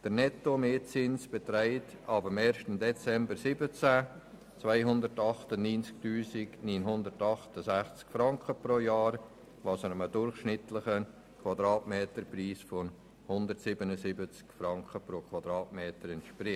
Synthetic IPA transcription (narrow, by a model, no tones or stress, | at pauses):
d̥əɾnɛtomeːt͡sɪnsb̥ɛt̪ɾæɪtɑbəmeːɾʃtəmdɛt͡sɛmbəɾsɪbət͡sa | t͡svaɪɦʊndəɾtɑχtəninsk̚tyːsɪkniːnɦʊndəɾtɑχtəsæχt͡skfɾɑŋkəpɾoːjɑːɾ | vɑsənəmədʊrχʃnɪtləχə | kʰwɑdɾɑːtmeːtəɾpriːsfɔn | hʊnd̪ərtsɪbənəsɪbət͡skfɾɑŋkχəpɾoːkʰʋɑdɾɑːtmeːtəɾɛntʃprɪ